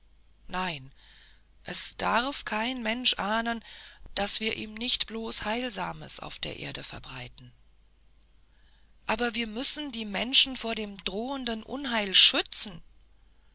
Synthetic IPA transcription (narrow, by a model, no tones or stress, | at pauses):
naɪn | ʔɛsd̥aʁfkʰaɪnmɛnʃʔaːnənd̥asv̥iːɐʔiːmnɪçtb̥loːshaɪlzaːmə̰sʔa̰ʊfd̥eːɐʔḛːɐdəfɛɐbʁaɪtn̩ | ʔaːbɐviːɐmʏsn̩diːmɛnʃn̩foːɐdeːmdʁoːəndənʔʊ̰nɦaɪlʃʏt͡sn̩